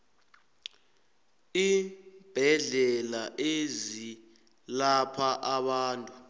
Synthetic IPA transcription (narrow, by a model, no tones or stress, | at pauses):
ib̥ʱɛɮɛlaʔezi | lapʰaʔaɓaːntʼu